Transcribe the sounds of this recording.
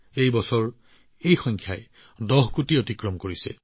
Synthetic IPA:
ejbɔsɔɹ | ejxɔŋkʰjaj | dɔɦkutiotikɹɔmkoɹisɛ̰

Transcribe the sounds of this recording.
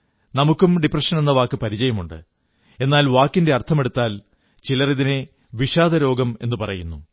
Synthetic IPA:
nɐmukːumɖiprɐʂɐne̞nːɐʋaːkːɨpɐɾid͡ʑɐjɐmuɳɖɨ̰ | e̞nːaːlʋaːkːinde̞ɐrt̪ʰɐme̞ɽut̪ːaːl | t͡ɕilɐriðine | ʋiʂaːd̪ɐɾo̞ːɡɐme̞nːɨpɐrɐjunːu

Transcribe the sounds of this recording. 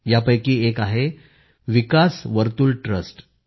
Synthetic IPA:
japəjkiːekaɦe | ʋikasʋəɾt̪uːlʈɾəsʈ

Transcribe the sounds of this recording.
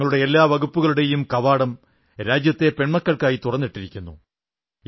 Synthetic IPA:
ɐɭuɽe̞elːaːʋɐɣupːuɣɐɭuɽe̞jumkɐʋaːɽɐm | ɾaːd͡ʑjɐt̪ːe̞pe̞ɳmɐkːɐɭkaːjit̪urɐnːiʈːiɾikʲːunːṵ

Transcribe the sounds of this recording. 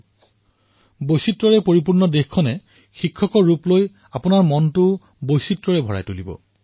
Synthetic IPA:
bojsitɹɔɹɛpoɹip̬uɹnɔdexkʰːɔnɛ | xikʰːɔkɔɹːuploj | apʊnaɹmɔntʊ | bojsitɹɔɹɛbʱɔɹa̰jtulibɔ̰

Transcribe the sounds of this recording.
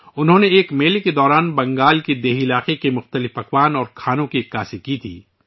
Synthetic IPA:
ʊnɦõːneeːkmeːleked̪ɔːɾaːnbɐ̃ŋɡaːlked̪eːɦɪlaːqekemʊxt̪əlɪfɐkwaːnɔːɾkʰaːnõkiɪkːaːsikit̪ʰḭː

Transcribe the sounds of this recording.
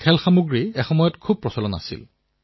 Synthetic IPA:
kʰɛlxamuɡɹiɛxɔmɔjɔtkʰub̚pːɹɔsɔlɔna̰sḭl

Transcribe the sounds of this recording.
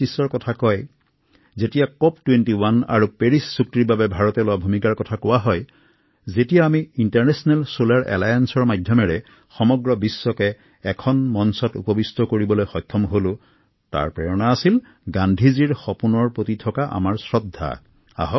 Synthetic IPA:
isːɔɹkɔtʰakɔj | zetijakɔp̚twentiwana̰ɹupeɹisːuk̚tiɹbabɛbʱaɹɔtɛlowabʱumikaɹkɔtʰakowaɦɔj | zetijaːmiintaɹnɛsɔnalsolaɹʔɛ̰lajansɔɹmadʱjɔmɛɹɛ | xɔmɔɡɹɔbisːɔkɛ | ɛkʰɔnmɔnsɔtṵpɔbistɔkoɹibɔlojxɔjt̪ʰːɔmɦolʊ̃ | ta̰ɹpɹɛjɔnaːsil | ɡandʱiziɹxɔpunɔɹpotitʰɔkaʔa̰maɹsɹɔdʱːa̰ | a̰ɦɔ

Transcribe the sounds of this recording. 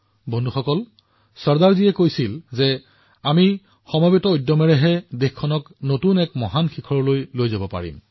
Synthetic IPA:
bɔndʱuxɔkɔl | sɔɹdaɹziɛkojsilzɛ | ami | xɔmɔbitɔojdɔmɛɹɛɦɛdexkʰːɔnɔk | notunɛkmɔɦanxikʰɔɹɔlojlojzabɔpa̰ɹḭm

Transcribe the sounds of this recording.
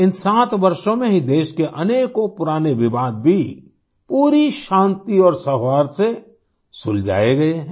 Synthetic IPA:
ɪnsaːt̪ʋɐɾʃõmẽɦid̪eːʃkeʔɐneːkopʊɾaːneʋɪbaːd̪̚bʱi | puːɾiʃãːnt̪iɔːɾsɐɦwaːɾse | sʊld͡ʒa̰ːeɡɐeɦɛ̃

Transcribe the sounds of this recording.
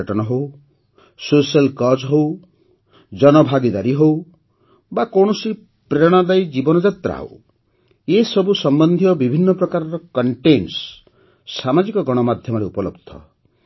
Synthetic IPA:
ʈɔnɔɦow | sosialkɔd͡ʒɦow | d͡ʒɔnɔbʱaɡid̪aɾiɦow | bakɔɽ̃ɔsi | pɾeɽ̃ad̪ajd͡ʒibɔnɔd͡ʒat̪ɾa̰ɦo̰w | esɔbusɔmbɔnd̪ʱijɔbibʱinːɔpɾɔkaɾɔɾɔkɔɳʈens | samad͡ʒikɔɡɔɽ̃ɔmad̪ʱjɔmɔɾeupɔlɔbd̪ʱɔ̰

